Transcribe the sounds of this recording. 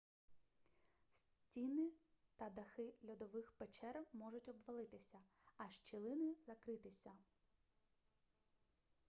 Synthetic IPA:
sʲ | tʲinɪt̪ɐd̪ɐxɪlʲɔd̪ɔʋɪxpet͡ʃɛrmɔʒʊtʲɔbʋɐlˠɪt̪ɪsʲɐɐʃt͡ʃilˠɪnɪzɐkɾɪt̪ɪsʲɐ

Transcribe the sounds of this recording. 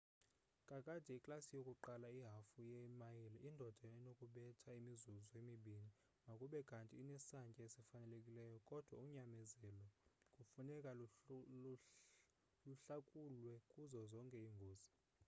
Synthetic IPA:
kʼakʼad̥ʱɛikʼlasijokʼuǃalaiɦafujɛmajiliʔindʱɔd̥ʱanokʼuɓɛtʰaimizuzɔemiɓini | ŋʱakʼuɓɛkʼantʼiːnɛsaŋkʼɛesifanɛlekʼilɛjɔkʼɔd̥ʱwauɲamɛzɛlɔkʼufunɛkʼa | luɬakʼulwɛkʼuzɔzɔŋkʼɛiŋɡʱoːzi

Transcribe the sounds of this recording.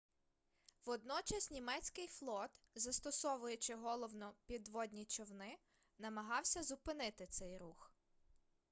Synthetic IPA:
ʋɔd̪nɔt͡ʃɐsʲnʲimɛt͡sʲkɪjflˠɔt̪ | zɐst̪ɔsɔʋʊjʊt͡ʃɪɦɔlˠɔwnɔpʲid̪ʋɔd̪ʲnʲit͡ʃɔwnɪ | nɐmɐɦɑwsʲɐzʊpɪnɪt̪ɪt̪sɛjɾux

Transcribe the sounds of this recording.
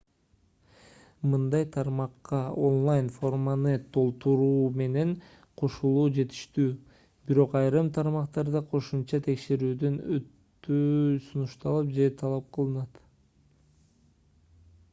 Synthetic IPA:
mɯnd̪ɑjt̪ʰɑɾmɑqːɑo̞nlˠajnfo̞rmanɯt̪ʰo̞lˠt̪uɾuːme̞ne̞ɴ | qʰo̞ʃulˠuːd͡ʒe̞t̪i̥ʃt̪yː | biɾo̞qɑjɾɯmt̪ʰɑɾmɑqt̪ɑɾd̪ɑqʰo̞ʃumt͡ʃɑt̪ʰe̞kʃe̞ɾyːd̪ønøt̪ːøsunuʃt̪ɑlˠɯp̚d͡ʒe̞t̪ʰɑlˠɑp̚qʰɯlˠɯnɑt̪

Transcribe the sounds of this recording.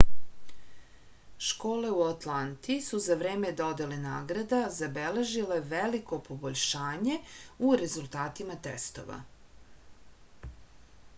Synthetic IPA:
ʃko̞ːle̞uat̪lant̪isuzaʋɾe̞ːmed̪o̞d̪e̞lena̰ːɡɾad̪azabele̞ʒile̞ʋeliko̞po̞boʎʲʃaːɲe̞uɾezulˠt̪aːt̪imat̪ḛst̪o̰ʋa̰

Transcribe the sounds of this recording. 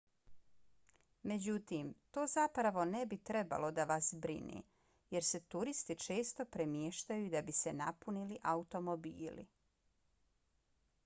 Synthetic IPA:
me̞d͡ʑut̪iːmt̪oːzapɾaʋo̞nebit̪ɾe̞ba̰lo̞d̪aʋasbɾḭnḭː | je̞ɾse̞t̪uɾist̪it͡ʃe̞ːst̪o̞pɾemjeʃt̪ajuid̪abise̞napuniliʔaut̪o̞mo̞bḭːlḭ

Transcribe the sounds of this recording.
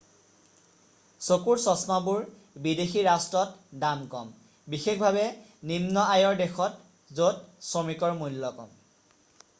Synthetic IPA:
sokuɹsɔsnɔbuɹ | bidexiɹastɹɔtdamkɔ̰m | bixexbʱabɛ | nimnɔajɔɹdexɔt | zotsomikɔɹmujlːɔkɔ̰m

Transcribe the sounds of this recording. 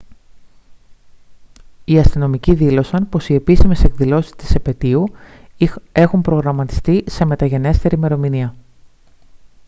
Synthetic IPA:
iɐst̪ino̞miciðilo̞sɐnpo̞sie̞pisime̞se̞kðilo̞si̥st̪i̥sepe̞t̪iu | e̞xumpɾo̞ɣɾɐmɐt̪i̥st̪ise̞me̞t̪ɐʝe̞ne̞st̪e̞ɾime̞ɾo̞miniɐ

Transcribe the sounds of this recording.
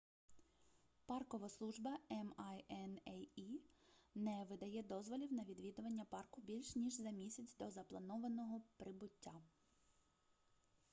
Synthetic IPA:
pɑrkɔʋɐslˠuʒbɐɛmjɛnɛinɛʋɪd̪ɐjɛd̪ɔzʋɔlʲiwnɐʋʲid̪ʋʲid̪ʊʋɐnʲːɐpɑrkʊbʲilʲʃnʲiʒzɐmʲisʲɐt͡sʲd̪ɔzɐplˠɐnɔʋɐnɔɦɔpɾɪbʊtʲːa

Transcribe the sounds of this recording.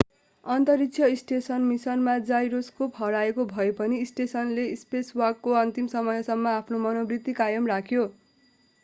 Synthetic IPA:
ʌnt̪ʌɾiksʰjʌisʈesʌnmisʌnmad͡zajɾoskopɦʌɾaekobʱʌepʌniːsʈesʌnleispeswʌrkːoʌnt̪imsʌmʌjʌsʌmːʌapʰnomʌnobrit̪ːikajʌmrakʰjo

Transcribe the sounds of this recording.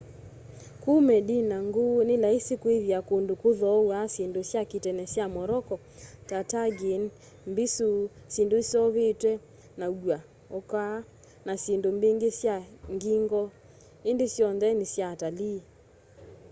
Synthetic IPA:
komɛdinaŋɡonelaesekweðjakondokoðɔwasendosjaketɛnɛsjamɔɾɔkɔ | tataɡen | mbesusendosjɔβetwɛ | nauɡwa | oka | nasjendombeŋɡesjaŋɡiŋɡɔ | endesjɔnðɛnesjatali

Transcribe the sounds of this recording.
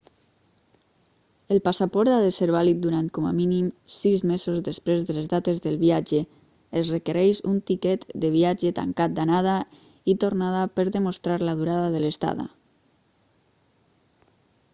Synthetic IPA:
əlˠpasapɔɾt̪aðeseɾβalit̪̚d̪uɾant̪̚koma̰minimsizmezozðəspɾezðələzðat̪ezðəlˠβiad͡ʒeː | zrəkəɾɛʃunt̪ikɛt̪d̪əβiad͡ʒət̪a̰ŋkat̪̚d̪anað̞a | it̪ornaðapəɾðəmost̪ɾaɾlaðuɾaðaðələst̪a̰ða̰

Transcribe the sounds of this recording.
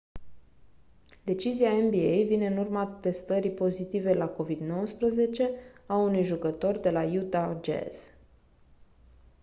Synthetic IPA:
d̪e̞t͡ʃiziaembiejvine̞ɨnurmat̪e̞st̪əɾipo̞zit̪ive̞lako̞vid̪no̞wəspɾəze̞t͡ʃe̞aunujʒukət̪o̞rd̪e̞lajut̪ad͡ʒḛs

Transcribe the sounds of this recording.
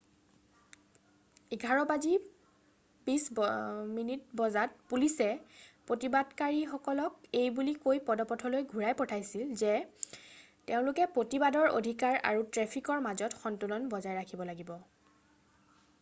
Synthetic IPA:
iɡʱaɹɔpazi | pisminit̚bɔzat̚pulisɛpɹotibadkaɹixɔkɔlɔk̚ejbulikojpɔdɔpɔtʰɔlojɡʱuɹajpɔtʰajsilzɛ | teʊ̃lʊkɛpɹotibadɔɹo̰dʱikaɹa̰ɹutɹɛpʰikɔɹmazɔtxɔntulɔnbɔzajɹakʰibɔlaɡibɔ

